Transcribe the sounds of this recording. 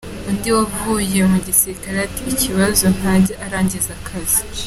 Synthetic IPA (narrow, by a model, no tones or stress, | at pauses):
undiwavuːjemuɟiseikaɾatiːciβazo̞n̥aɟiʔaɾaːɲɟezakʰazi